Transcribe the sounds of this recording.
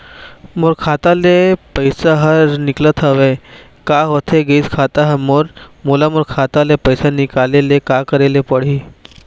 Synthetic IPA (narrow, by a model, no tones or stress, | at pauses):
moɾkʰat̪alepəjsaɦəɾniklət̪ʰəʋe | kaɦot̪ʰeɡeskʰat̪aɦəmoɾmulamuɾkʰat̪alepəjsanikalelekakəɾelepəɽ̤iː